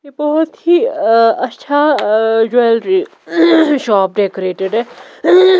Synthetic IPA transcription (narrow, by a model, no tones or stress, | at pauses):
ebɔɦɔt̪ɦiɐtːʃʰad͡ʒolɾi | ʃɔːp̚ɖeːkoɾeːʈeɖɦɛː